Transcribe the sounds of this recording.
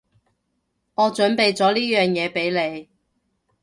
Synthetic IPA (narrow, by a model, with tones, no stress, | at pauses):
ŋɔː˨˧t͡ʃɵ˨˥npe˨jt͡sɔː˨˥liː˥jœː˨˩ŋjɛː˨˧pe˨˥jle˨˧j